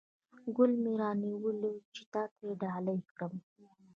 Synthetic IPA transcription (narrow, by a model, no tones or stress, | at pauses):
ɡʊlmeɾɑniwəlot͡ʃe̥t̪ɑt̪ajeɖɑləjkɽəm